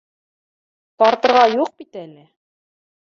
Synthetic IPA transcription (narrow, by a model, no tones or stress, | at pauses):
t̪ɑɾt̪ɤ̆ɾʁɑjuq̚bit̪ælɘ